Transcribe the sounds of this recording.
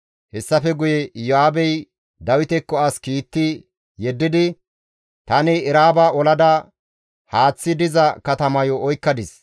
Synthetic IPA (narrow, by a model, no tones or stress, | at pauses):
hɛsːɐfɛɡʊjɛjɔaːbɛj | d̪ɐwɪt̪ɛkːɔɐskiːt̪ːɪ | jɛd̪ːɪd̪ɪ | t̪ɐnɪːɾaːbaːɔlɐd̪ɐ | haːt͡sːɪd̪ɪzɐkɐt̪ɐmɐjɔʔɔjkːɐd̪ɪs